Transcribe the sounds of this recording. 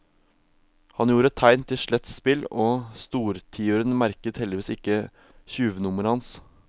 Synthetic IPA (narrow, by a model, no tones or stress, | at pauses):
hɑnjuːɾət̪ʰːæɪnt̪ʰɪʂɭɛt̪spɪlɔst̪uːɾt̪ʰiːʊɾənmæɾkət̪hɛld̪ɪʋiːsɪkːə | çʉːʋənʊməɾhɑns